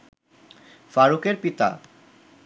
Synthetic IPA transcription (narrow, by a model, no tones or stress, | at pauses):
faɾukeɾpit̪a̰